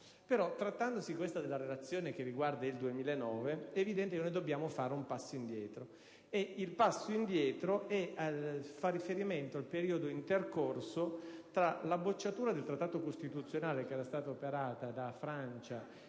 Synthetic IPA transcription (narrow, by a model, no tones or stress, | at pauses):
peɾɔt̪ːɾat̪ːand̪osikwest̪ad̪elːaɾelat̪sːjoːnek̟erːiɡward̪aild̪uemiːlaenːɔːveɛːvid̪ɛnt̪ekenojd̪obːjaːmofaːɾeumpasːoind̪jɛːt̪ɾo | eilpasːoind̪jɛːt̪ɾoɛ | farːifeɾiment̪oalpeɾiːod̪oint̪erkorsot̪ɾalabːot͡ʃːat̪uːɾad̪elt̪ɾat̪ːaːt̪okost̪it̪ut̪sːjonaːlekeɛːɾast̪aːt̪aopeɾaːt̪ad̪afɾant͡ʃa